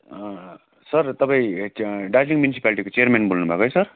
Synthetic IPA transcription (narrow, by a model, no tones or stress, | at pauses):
sʌrt̪ʌpãĩɖad͡ʒiŋmjunisi̥paliʈikot͡seʌrmenbʱolnubʱakoɦjsʌr